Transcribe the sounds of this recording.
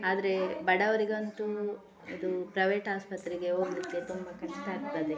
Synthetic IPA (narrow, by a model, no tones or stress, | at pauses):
aːd̪ɐɾe̞bɐɽɐʋɐɾiɡɐnt̪u | ɐd̪upɾɐʋeːʈaːspɐt̪ɾiɡe̞ɦo̞ːɡlikːe̞t̪umbɐkɐʂʈɐaːɡ̚t̪ɐd̪e